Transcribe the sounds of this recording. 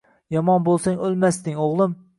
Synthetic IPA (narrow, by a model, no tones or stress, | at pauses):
jɒmɑnbolˠsɛŋølˠmæsd̪ɪŋoʁlˠɨm